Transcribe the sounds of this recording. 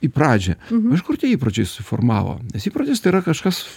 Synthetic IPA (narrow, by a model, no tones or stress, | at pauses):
ipɾɑːd͡ʒʲɛɪʃkʊrt̪ʲiiːpɾɐt͡ʃʲɛɪssʊfo̰rmɑ̰ːʋo̰ːnʲɛsiːpɾɐt͡ʃʲɛɪst̪ɐɪːɾɐkɐʃkɐs